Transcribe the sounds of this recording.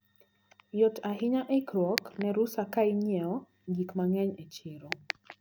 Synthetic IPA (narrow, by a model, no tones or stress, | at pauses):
jɔtaɦɪɲaʔɛkɾɔknɛɾusakaiɲɛɔ | ɡikmaŋɛɲet͡ʃɪɾɔ